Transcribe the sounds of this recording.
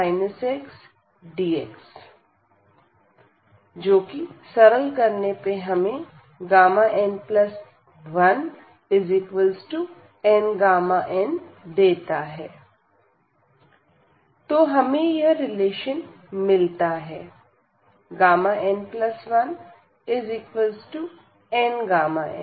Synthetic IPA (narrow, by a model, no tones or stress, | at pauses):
maːɪnəseks | ɖiːeks | d͡ʒoːkisɐɾəlkɐɾnepeɦɐmẽ | ɡaːmaʔɛ̃nɖplɐs | ʋɐn | ɪzikʋəlsʈu | ɛ̃ːɳɖɡaːmaʔɛ̃nd̪eːt̪aɦɛː | t̪oːɦɐmẽjɐɾɪleːʃən | mɪlt̪aɦɛː | ɡaːmaʔɛ̃nplɐsʋɐn | ɪzɪkʋəlsʈu | ɛ̃ːnɡaːmaɛ̰̃